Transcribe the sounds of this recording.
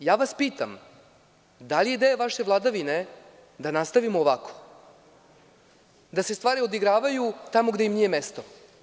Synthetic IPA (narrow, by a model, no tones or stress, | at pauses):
jaːʋaspiːt̪a̰m | d̪alijed̪ejaʋaʃe̞vlˠad̪aʋine̞ | d̪anast̪aʋimoːʋakʰo̥ | d̪ase̞st̪vʋaːɾio̞d̪iɡɾaːʋajut̪amoɡd̪eimniːje̞mest̪o